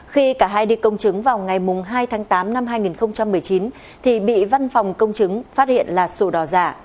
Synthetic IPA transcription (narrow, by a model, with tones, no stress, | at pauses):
xi˧kaː˧˩ɦaː˧jɗi˧kə˧wŋ͡mt͡ɕɨ˨˦ŋvaː˨˩wŋa˨˩jmʊ˨˩ŋ͡mɦaː˧jt̪ʰaː˨˦ŋt̪aː˨˦mna˧mɦaː˧jŋi˨˩nxə˧wŋ͡mt͡ɕa˧mːɨ˨˩əjt͡ɕi˨˦n | t̪ʰi˨˩ɓḭ˧˨va˧nfɔ˨˩wŋ͡mkə˧wŋ͡mt͡ɕɨ˨˦ŋfaː˦˥t̚hḭ˧˨ənlaː˨˩so˧˩ɗɔ˨˩za̰ː˧˩